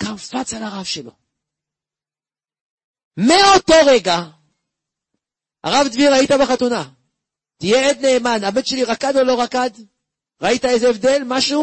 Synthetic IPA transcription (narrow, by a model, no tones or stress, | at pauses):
kafat͡salaʁavʃelo̞̰ | meot̪o̞ʁe̞ɡa | a̰ʁavd̪viʁait̪abeχat̪una | t̪ijeed̪ne̞ːmanabet̪ʃeliʁakad̪o̞lo̞ʁakad̪ | ʁait̪aezeevd̪e̞lmaʃu